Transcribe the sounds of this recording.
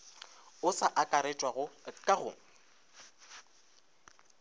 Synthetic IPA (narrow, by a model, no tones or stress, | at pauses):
ʊsaʔakʼaɾet͡ʃʼwaɣʊkʼaɣʊ̰ŋ̩